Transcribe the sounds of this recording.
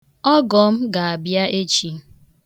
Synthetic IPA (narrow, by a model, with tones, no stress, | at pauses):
ɔ˦ɡɔ˨m̩˦ɡa˨a˨bja˦ʔe˦t͡ʃi˨˦